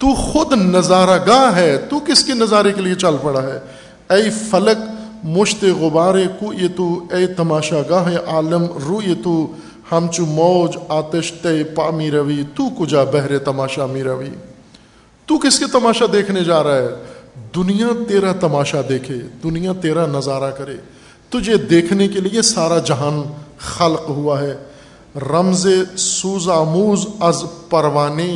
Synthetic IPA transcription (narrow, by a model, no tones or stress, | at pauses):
t̪uːxʊd̪nɐzaːɾaɡaːɦɦɛːt̪uːkɪskenɐzaːɾekeliet͡ʃɐlpɐɽaɦɛː | ɐifɐləkmʊʃt̪eɣʊbaːɾekuːet̪uɐit̪ɐmaːʃaɡaːɦẽʔaːləmɾuːet̪u | hɐmt͡ʃumɔːd͡ʒaːt̪əʃt̪ɐipaːmiɾɐʋiːt̪uːkʊd͡ʒabɛɦɾet̪ɐmaːʃaːmiɾɐʋḭː | t̪ukɪsket̪ɐmaːʃad̪eːkʰned͡ʒaːɾaaɦɛd̪ʊnijat̪eːɾat̪ɐmaːʃad̪eːkʰeːd̪ʊnijãt̪eːɾanɐzaːɾakɐɾḛː | t̪ʊd͡ʒed̪eːkʰnekeliesaːɾad͡ʒɐɦaːnxɐlqɦʊaɦɛː | ɾɐmzesuːzaːmuːzɐzpɐɾʋaːne